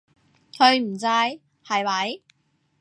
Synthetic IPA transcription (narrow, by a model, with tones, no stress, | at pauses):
kʰɵ˧ɥm̩˨˩t͡saː˧j | hɐ˨jwɐ˨˥j